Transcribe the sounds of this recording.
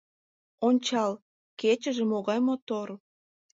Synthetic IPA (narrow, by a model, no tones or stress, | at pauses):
onʲt͡ɕɑl | ket͡ɕəʒemoɣɑjmot̪or